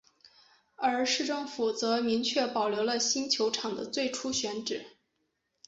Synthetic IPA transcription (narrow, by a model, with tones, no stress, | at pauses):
ə˞˧˥ʂɻ̩˥˧ʈ͡ʂɤ˥˩ŋfu˨˩t͡sɤ˧˥mi˧˥ŋt͡ɕʰɥɛ˥˩pɑ˨˩ʊljo˧˥lə˧ɕi˥nt͡ɕʰjo˧˥ʊʈ͡ʂʰɑ˨˩ŋd̪ə̰˦t͡swe˥˩ɪʈ͡ʂʰu˥ɕɥɛ˧˥nʈ͡ʂɻ̩˨˩˦